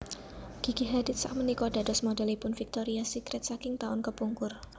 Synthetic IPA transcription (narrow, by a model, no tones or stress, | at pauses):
ɡ̥i̤ɡ̥iɦadɪt̪̚sa̰ʔ̚mənikɔda̤dɔsmodɛlipʊnfik̚t̪oɾiasikɾɛt̪sakɪŋt̪aʊnkəpuŋkʊr